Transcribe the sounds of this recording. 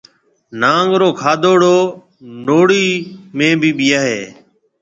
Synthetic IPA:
naːŋɡɾoːkʰaːd̪oːɽoː | noːɽiːmẽːbʱiːɓɪjaːɦeː

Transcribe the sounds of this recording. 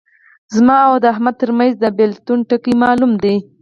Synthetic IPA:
zmɑawd̪əaɦmad̪̚t̪əɾmajzd̪əbelt̪unʈəkimɑlumd̪e

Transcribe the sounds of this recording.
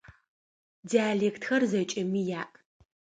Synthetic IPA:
diaːɮeːktʰxɐrzɐt͡ʃʼɐmiːjaːʔ

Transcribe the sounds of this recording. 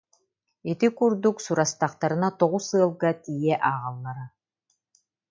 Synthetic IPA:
it̪ikuɾd̪uksuɾast̪aqt̪aɾɯ̆nat̪ɔʁusɯɐlˠɡat̪ijɛʔaːʁalˠːaɾa

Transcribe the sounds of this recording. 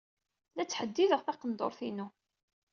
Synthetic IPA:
læt͡sːħəd̪ːiðəʁθɑqənd̪o̰ɾˤθinu

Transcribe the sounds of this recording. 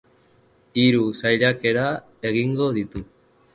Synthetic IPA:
iɾusajʎake̞ɾa | e̞ɣiŋɡo̞ðit̪u

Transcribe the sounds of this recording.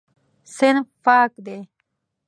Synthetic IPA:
sɪnfaːkd̪e

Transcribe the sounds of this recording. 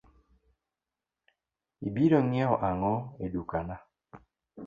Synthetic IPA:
ibiɾɔŋɛɔʔaŋɔedukana

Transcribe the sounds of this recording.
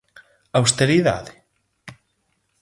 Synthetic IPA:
awst̪eɾiða̰ðɪ

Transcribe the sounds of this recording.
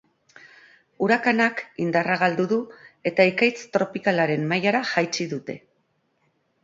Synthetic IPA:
uɾakanakind̪araɣ̞ald̪uðue̞t̪aekajt͡st̪ɾo̞pikalaɾe̞mmːajaɾaʝajt͡siðut̪e̞

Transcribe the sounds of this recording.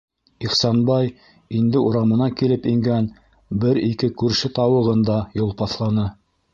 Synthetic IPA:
iχsɑnbɑj | ind̪ɘuɾɑmɤ̆nɑkilɘpiŋɡæn | bɘɾikɘkʉɾʃɘt̪ɑwɤ̆ʁɤ̆nd̪ɑjolˠpɑθlˠɑnɤ

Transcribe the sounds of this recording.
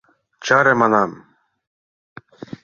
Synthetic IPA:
t͡ʃʰaːɾɛmanam

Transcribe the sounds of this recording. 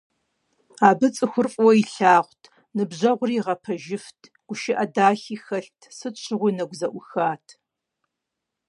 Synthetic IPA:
aːbɨt͡sʼɨxʷʊrfʼwɔiɬaːʁʷtʰ | nɨbʑɐʁʷʊriːʁɐpʰɐʒɪftʰ | ɡ̥ʷʊʃɪʔɐdaːxiːxɐɬtʰsɨt͡ʃʷʰɪʁʷʊnɐɡʷzɐʔʷʊxaːtʰ

